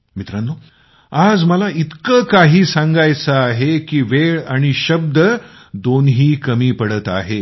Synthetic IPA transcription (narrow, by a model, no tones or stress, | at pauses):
mit̪ɾanːo | ad͡zməlait̪kəkaɦiːsãŋɡajt͡səaɦekiːʋeɭaɽ̃iɕəb̚d̪ə | d̪onɦiːkəmiːpəɽət̪a̰ɦe